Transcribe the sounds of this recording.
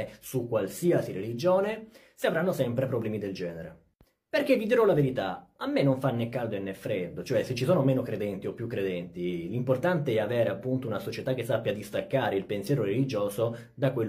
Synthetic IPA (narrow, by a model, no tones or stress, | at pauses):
sukːwalsiasiɾelid͡ʒoːne | siavɾanːosɛmpɾepɾoblɛːmid̪eld͡ʒɛːneɾḛ | perk̟evid̪iɾɔlaveɾit̪a̰amːenːoɱfanːɛkːald̪oenːɛfːɾed̪ːot͡ʃoɛset͡ʃːisoːnomeːnokɾed̪ɛnt̪iopːjukːɾed̪ɛnt̪ilimport̪ant̪eɛavɛːɾeapːunt̪ounasot͡ʃet̪ak̟ːesːapːjad̪ist̪akːaːɾeilpensjɛːɾoɾelid͡ʒoːzo | d̪akwel